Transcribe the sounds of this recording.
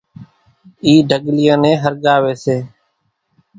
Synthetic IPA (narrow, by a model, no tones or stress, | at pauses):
iːɖʱəɠlɪjãːnẽːɦəɾɠaːʋeːseː